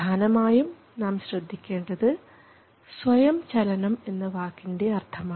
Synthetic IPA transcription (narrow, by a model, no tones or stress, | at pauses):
aːnɐmaːjum | naːmɕrɨd̪ʱːikʲːe̞ːɳɖɐðɨ | sʋɐjɐmt͡ɕɐlɐnɐme̞nːɨʋaːkːinde̞ɐrt̪ʰɐmaː